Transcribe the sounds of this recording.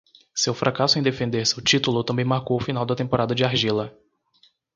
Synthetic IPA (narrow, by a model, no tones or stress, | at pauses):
sewfɾʔakasʊẽj̃d̪efẽnd̪eɾsɪʊt͡ʃit̪ulʊt̪ɐ̃bẽj̃maɾkowʊfin̪awd̪ɐt̪ẽmpoɾad̪ɐd͡ʒɪaɾʒilɐ